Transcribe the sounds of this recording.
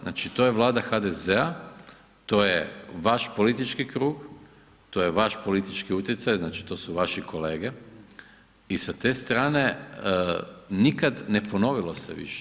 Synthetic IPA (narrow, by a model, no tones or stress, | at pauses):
na̰t͡ʃit̪o̞jeʋlˠaːd̪axad̪ezea | t̪o̞ːjeʋaʃpo̞lit̪it͡ʃkikɾuːɡ | t̪o̞ːjeʋaʃpo̞lit̪it͡ʃkiut̪jet̪sajznaːt͡ʃi̥t̪o̞ːsuʋaʃiko̞le̞ːɡe | isat̪e̞st̪ɾaːne̞ | nikad̪ne̞po̞no̞ʋilo̞sḛʋḭʃe̥